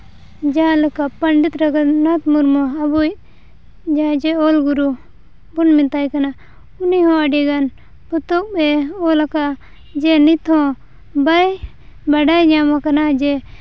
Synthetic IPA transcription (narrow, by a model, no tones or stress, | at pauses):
d͡ʒaləkapəɳɖit̪ɾaɡanɔt̪muɾmɔabuj | d͡ʒad͡ʒɛɔlɡuɾu | bunmit̪ajkana | uniɦɔ̃aɖiɡan | put̪ɔk̚bɛɔlakaʔ | d͡ʒɛnit̪ʰɔ̃ | baj | baɖajɲamakanad͡ʒɛ